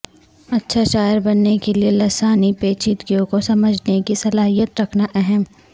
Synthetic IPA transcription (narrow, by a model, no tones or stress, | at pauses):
ɐtːʃʰaʃaːjəɾbɐnːekelielɐsaːnipeːt͡ʃiːt̪ɡijõkosɐməd͡ʒʱnekisɐlaːɦijət̪ɾɐkʰnaʔɛɦɛm